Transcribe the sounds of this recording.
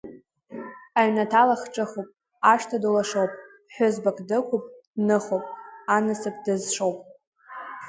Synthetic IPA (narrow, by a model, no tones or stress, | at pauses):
aɥnatʰalaχʈ͡ʂʼɨχopʼ | aʂtʰadulaʂowpʼ | ħʷᶣʊzbakʰʼdɨkʷʰʊpʼ | nɨχopʼanɨsɨpʰʼdɨzʂowpʼ